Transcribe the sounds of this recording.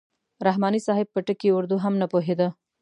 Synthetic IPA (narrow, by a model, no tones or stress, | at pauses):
ɾaɦmɑnisɑɦɪb̚pəʈəkiʊɾd̪uɦamnapoɦed̪ə